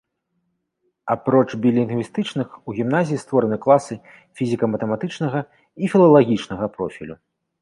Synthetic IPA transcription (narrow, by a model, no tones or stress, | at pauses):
apɾɔt͡ʂbʲilʲinɡvʲist̪ɨt͡ʂnɨxuɣʲimnazʲijist̪vɔɾɐnɨklˠasɨ | fʲizʲikɐmɐt̪ɐmat̪ɨt͡ʂnɐɣɐ | ifʲilˠɐlˠaɣʲit͡ʂnɐɣɐpɾɔfʲḭlʲu